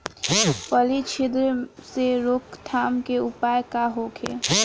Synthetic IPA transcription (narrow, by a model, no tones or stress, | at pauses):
pəlit͡ʃʰɪd̪ɾəseɾokt̪ʰaːmkeʊpaːjkaɦoːkʰḛː